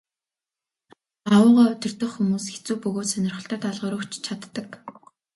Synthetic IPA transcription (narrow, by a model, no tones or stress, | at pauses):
awʊːʁaːɵt̪ɪ̆r̥t̪ə̆χxumuːsxet͡suːpɵɣoːt̪sœnʲɪ̆rχə̆ɬt̪œːt̪aɮʁəːɾʊːkt͡ɕt͡ɕʰat̪ːə̆k